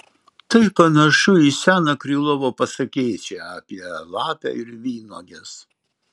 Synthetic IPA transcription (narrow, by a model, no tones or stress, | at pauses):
t̪ɐɪpɐnɐʃʊisʲæːnɐkɾʲiːlˠɔʋoːpɐsɐkʲɛːt͡ʃʲeɐːpʲiɛlˠɑːpʲæ̰ɪɾʋʲiːno̰ːɡʲɛs